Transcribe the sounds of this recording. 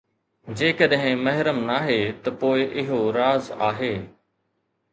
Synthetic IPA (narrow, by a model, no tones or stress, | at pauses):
d͡ʑeːkəɗɦɪ̃mɐɦɪɾəmnaːɦeːt̪ɐpoːɪʔɪɦoɾaːzaːɦeː